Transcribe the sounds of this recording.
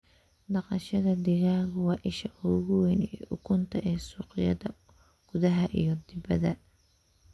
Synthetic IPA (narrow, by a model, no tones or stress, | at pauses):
dɑqɑʃɐðɐd̪ɪɣaːɣʊwɑːʔɪʃɐʊɣʊwɛnɛʔʊkʰʊnt̪ʰɐʔɛːsuːqɪjɐ̰ðɐ | ɡ̥ʊðɐɦɐʔḭjɞd̪ɪbɐðɐ